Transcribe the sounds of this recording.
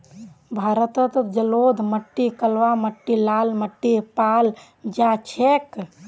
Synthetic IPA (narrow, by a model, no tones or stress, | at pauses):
bʱaɾət̪ət̪əd͡ʒəlod̪ʱməʈːikəlʋaməʈːilalməʈːipal | d͡ʒat͡ʃʰek